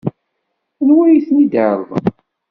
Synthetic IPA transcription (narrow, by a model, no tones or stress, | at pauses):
ənwæjiθnid̪əɾˤð̰ˤ